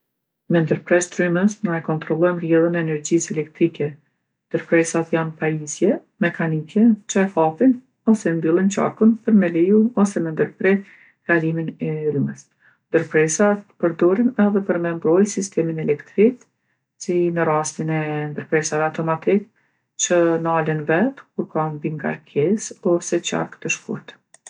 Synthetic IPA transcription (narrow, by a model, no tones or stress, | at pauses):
mɛnd̪əɾpɾɛst̪ɾyməsnajkɔnt̪ɾɔlˠɔjmrjɛlˠənɛːnɛɾd͡ʑisɛlɛkt̪ɾikɛ | nd̪əɾpɾɛsat̪janpajisjɛ | mɛkanikʰɛt͡ʃaɛfafin | ɔsɛnd̪ilˠint͡ʃa̰ɾkunpəɾmɛlɛjuɔsɛmɛnd̪əɾpɾɛ | ɡ̥aliminɛɾyməs | nd̪əɾpɾɛsat̪pəɾd̪ɔɾinɛðɛpəɾmɛmbɾɔjsist̪ɛminɛlɛkt̪ɾik | sinəɾast̪inɛnd̪əɾpɾɛsavɛat̪ɔmat̪ik̚ | t͡ʃənəalənvɛt̪kuɾkanbiŋɡa̰ɾkʰɛsɔsɛt͡ɕa̰ɾkt̪əʃkṵɾt̪